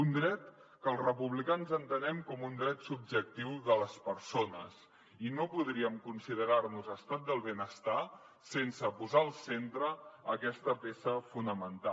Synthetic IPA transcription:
und̪ɾɛt̪ | kəlˠzrəpuβlikanzənt̪ənɛmkɔmund̪ɾɛt̪sub̚ʒək̚t̪iwðələspəɾsonə̰z | inopuðɾiəmkunsiðəɾaɾnuzəst̪at̪̚d̪əlˠβenəst̪a | sensəpuzaəlˠsent̪ɾəəkɛst̪əpesəfunəmənt̪a

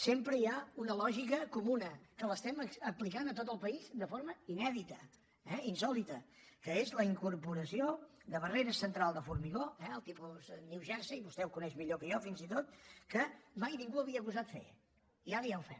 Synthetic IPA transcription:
sempɾəjaunəlɔʒikəkumunəkələst̪ɛməəplikanət̪ot̪əlˠpəizd̪əfoɾməinɛðit̪ə | ɛinsɔlit̪ə | kəezləiŋkuɾpuɾəsio | d̪əβ̞əreɾəsənt̪ɾalˠd̪əfuɾmiɣoɛəlˠt̪ipuzniwʒɛɾsəiβust̪ɛuwkunɛʃmiʎokəjɔfinzit̪ot̪kəmajniŋɡuəβiəkuzat̪fḛ | iaɾəjawfɛ̰m

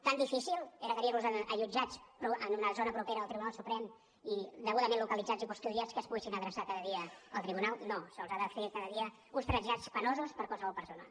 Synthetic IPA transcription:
t̪and̪ifisilˠeɾəkəɾiɾluzəəʒud͡ʒat͡spɾuənunəzonəpɾupeɾəðəlˠt̪ɾiβunalˠsupɾɛm | id̪əɣuðəmẽnlukəlid͡zad͡zipust̪uɾiat͡skəspuɣɛsinəðɾəsakaðəðiəəlˠt̪ɾiβunalˠnosəlˠzaðəfekaðəðiə | unst̪ɾənʒat͡spənozuspəɾkwalˠsəβɔlˠpəɾsonə̰

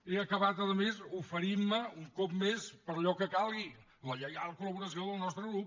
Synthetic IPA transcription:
eəkəβat̪əðəmezufəɾimːəuŋkɔpmespəɾəʎɔkəkalˠɣi | ləʎəɣalˠkuləβuɾəsioðəlˠnɔst̪ɾəɣɾup̚

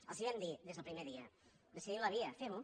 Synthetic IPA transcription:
ə̰lˠsiβɛnd̪iðezðlˠpɾimeðiə | d̪əsiðilɐβiəfeu

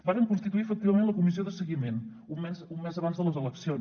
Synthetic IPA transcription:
baɾəŋkunst̪it̪uiəfək̚t̪iβəmenləkumiz̬ioðəsəɣimen | ummɛzumːɛzəβanzðələzələksion

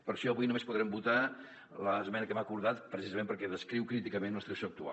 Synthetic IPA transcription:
pəɾʃɔəβujnumespuðɾɛmbut̪a | ləːzmɛnəkəmakuɾðat̪pɾəsizəmẽmpəɾkɛðəskɾiwkɾit̪ikəmenləst̪ɾsjoək̚t̪ua̰

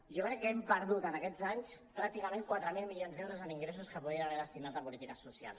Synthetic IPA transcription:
ʒokɾɛkːɛmpəɾðut̪ənəkɛd͡zaɲs | pɾak̚t̪ikamẽŋkwat̪ɾəmilˠmilionzðɛwɾuzəniŋɡɾesuskəpuðiənaβeɾðəst̪inat̪əpulit̪ikəsusia̰lˠs

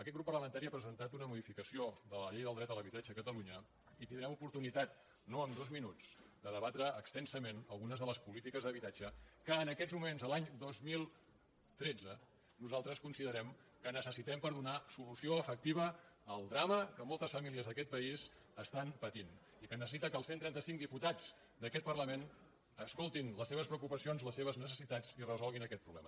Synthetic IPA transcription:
əkɛt̪ɡɾupːərləmənt̪aɾiapɾəzənt̪at̪unəmuðifikəsioðələʎejðəlˠd̪ɾɛt̪ələβit̪ad͡ʒəkət̪əluɲə | it̪ind̪ɾɛmupuɾt̪unit̪at̪ | noəmd̪ozminut͡sd̪əðəβat̪ɾəːkst̪ɛnsəmenəlˠɣunəzðələspulit̪ikəzðəβit̪ad͡ʒəkəːnəkɛd͡zmumenzəlaɲd̪ozmilˠ | t̪ɾed͡zə | nuzalˠt̪ɾəskunsiðəɾɛmkənəsəsit̪ɛmpəɾðunasulusioəfək̚t̪iβ̞əːlˠd̪ɾaməkəmɔlˠt̪əsfəmiliəzðəkɛt̪̚pəiz | əst̪anpət̪in | ikənəsəsit̪əkəlˠsent̪ɾɛnt̪əsiŋd̪iput̪ad͡z | d̪əkɛt̪̚pərləmen | əskolˠt̪inləsːeβ̞əspɾəukupəsionzləsːeβ̞əznəs̬əsit̪ad͡zirəzɔlˠɣinəkɛt̪̚pɾuβlɛ̰mə

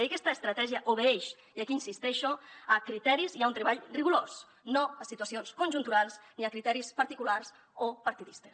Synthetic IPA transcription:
ikɛst̪aːst̪ɾat̪ɛʒiaʔoβeeʃ | iakiːnsist̪ɛʃoəkɾit̪ɛɾiziaunt̪ɾeβaʎriɣulos | noasit̪wasionskunʲʒunt̪uɾalˠzniakɾit̪ɛɾispaɾt̪ikularz | opaɾt̪iðist̪e̥s

